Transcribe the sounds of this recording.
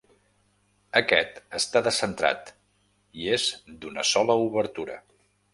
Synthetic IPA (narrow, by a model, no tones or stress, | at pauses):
əkɛt̪əst̪aðəsənt̪ɾa̰t̪ | iezd̪unəsɔləuβəɾt̪uɾə̰